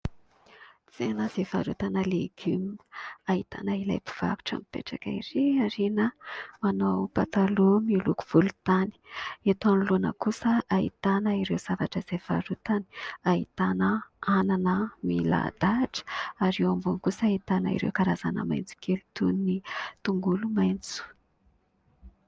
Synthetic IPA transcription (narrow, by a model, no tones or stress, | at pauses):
t͡senəz̥eva̰ɾut̪anəleɡ̥yminait̪a̰naila̰jpi̥v̥a̰ku̥ʈ͡ʂa̰mipḛʈ͡ʂaka̰iɾeaɾenəmanopat̪alumiluku̥v̥ulut̪ani̥et̪anlunə̰kusəaɦḭt̪anəiɾewz̥avaʈ͡ʂəz̥av̥aɾut̪ani̥aɦit̪anəananəmila̰d̪̥aʈ͡ʂə̥aɾewambunkusait̪anəḭɾḛwkaɾaza̰nə̰ma̰jnt͡su̥kelut̪unnit̪uŋɡulumajnt͡su̥